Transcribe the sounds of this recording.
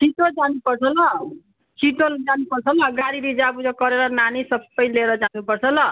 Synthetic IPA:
sʰiʈod͡zanupʌrt͡sʰʌlʌ | sʰiʈold͡zanupʌrt͡sʰʌlʌɡaɾiɾid͡zabud͡zʌkʌɾeɾʌnanisʌbːʌjleɾʌd͡zanupʌrt͡sʰʌlʌ

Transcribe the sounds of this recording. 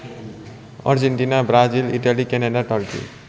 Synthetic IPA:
ʌ̰ɾd͡ʒeɳʈinabɾad͡ʒiliʈalikeneɖaʈʌɾkḭ

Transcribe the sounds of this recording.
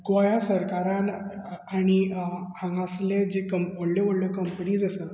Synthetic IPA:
ɡʋajasəɾkaɾãnaɽ̃ihãŋɡasled͡ʑekəmʋoɽleʋoɽləkəmpəniːd͡zəsə

